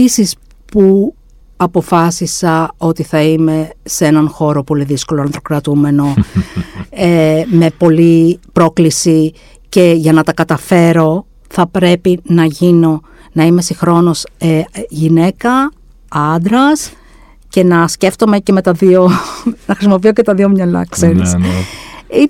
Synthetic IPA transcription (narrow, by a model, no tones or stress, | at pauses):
isis | pu | ɐpo̞fɐsisɐo̞t̪iθɐime̞se̞nɐnxo̞ɾo̞po̞liðiskolonɐnθɾokɾɐt̪ume̞no̞ | eme̞po̞lipɾo̞klisi | ce̞ʝɐnɐt̪ɐkɐt̪ɐfe̞ɾo̞ | θɐpɾe̞pinɐʝino̞ | nɐime̞sixɾo̞no̞seʝine̞kɐ | ɐnd̪ɾɐs | ce̞nɐsce̞ft̪o̞me̞ce̞me̞t̪ɐðionɐxɾisimo̞pio̞cet̪ɐðio̞mɲɐlɐ̰ksens | i